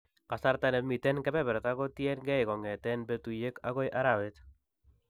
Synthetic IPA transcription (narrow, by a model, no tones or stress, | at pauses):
kasaɾt̪anemit̪enkepeβeɾot̪aɣot̪ienɡejɣoŋɡet̪enbet̪ujekaɣojʔaɾaβet̪